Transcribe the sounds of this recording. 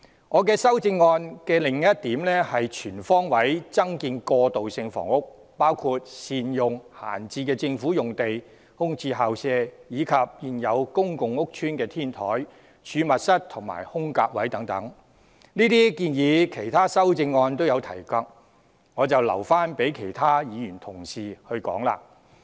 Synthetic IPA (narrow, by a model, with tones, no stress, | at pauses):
ŋɔː˨˧kɛː˧sɐ˥wt͡sɪ˧ŋːɔː˧nkɛː˧lɪ˨˩ŋjɐ˥t̚t̪iː˨˥mlɛː˥hɐ˨jt͡ʃʰyː˨˩nfɔː˥ŋwɐ˨˥jt͡sɐ˥ŋkiː˧nkɔː˧t̪o˨wsɪ˧ŋfɔ̰ː˨˩ŋʊ˥k̚ | paː˥wkʰu˧t̚siː˨˧njʊ˨ŋha̰ː˨˩nt͡siː˧kɛː˧t͡sɪ˧ŋfuː˨˥jʊ˨ŋt̪e˨j | hʊ˥ŋt͡sʰiː˧ɦaː˨wsɛː˧jiː˨˧kʰɐ˨p̚jiː˨˧njɐ˨˧wkʊ˥ŋkʊ˨ŋʊ˥k̚t͡ʃʰyː˥nkɛː˧t̪ʰiː˥nt̪ʰɔː˨˥j | t͡ʃʰyː˨˧mɐ˨t̚sɐ˥t̚t̪ʰʊ˨˩ŋma̰ː˨˩jhʊ˥ŋkaː˧k̚wɐ˨˥jt̪ɐ˨˥ŋt̪ɐ̰˨˥ŋ | niː˥t̪iː˥kiː˧njiː˨˧kʰe˨˩jt̪ʰaː˥sɐ˥wt͡sɪ˧ŋːɔː˧nt̪̬o˥wjɐ˨˧wt̪ʰɐ̰˨˩jkɐ˧k̚ | ŋɔː˨˧t͡sɐ˨wlɐ̰˨˩wfaː˥npe˨˥jkʰe˨˩jt̪ʰaː˥jiː˨˧jyː˨˩nt̪ʰʊ˨˩ŋsiː˨hɵ˧ɥkɔ̰ː˨˥ŋla̰ː˧